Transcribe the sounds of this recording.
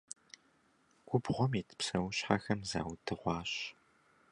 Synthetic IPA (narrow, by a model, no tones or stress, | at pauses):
ɡʷʼʊbʁʷɔmiːtʰɨ̥psɐwʊɕħaxɐmza̰ːwdʰɨʁʷɑːɕ